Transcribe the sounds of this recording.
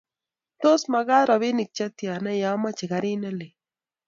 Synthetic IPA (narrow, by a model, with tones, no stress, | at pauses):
t̪o˦sma˨ɣa˦ɾa˨βi˦nɪ˨k̚t͡ʃa˦t̪ja˨na˦ja˦ma˦t͡ʃe˨ɣa˨ɾi˦ne˦lɪ˨